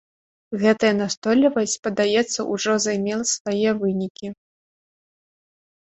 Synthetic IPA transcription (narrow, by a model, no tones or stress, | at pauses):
ɣɛt̪ɐjɐnast̪ɔlʲːivɐsʲt͡sʲpɐd̪ajɛt̪sːɐʔuʐɔzajmʲɛlˠɐsvajɛvɨnʲikʲi